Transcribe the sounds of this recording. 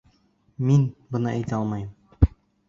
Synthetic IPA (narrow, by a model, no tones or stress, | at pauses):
minbɤ̆nɤʔæjt̪ɒlˠmɑjɤm